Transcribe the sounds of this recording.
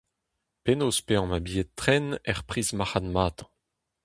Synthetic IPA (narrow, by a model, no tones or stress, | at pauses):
penoːspeɑ̃mabiett̪ːχɛnɛʁpχiːzmaχanmaːt̪ɑ̃